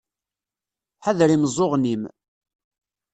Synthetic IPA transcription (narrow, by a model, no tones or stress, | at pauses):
ħaðɾimzˤoʁnim